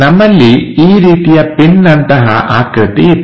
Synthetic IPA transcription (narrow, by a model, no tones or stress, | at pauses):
nɐmːɐlːiiːɾiːt̪ijɐpiɳːɐnt̪ɐɦɐ̰ʔa̰ːkɾɪt̪i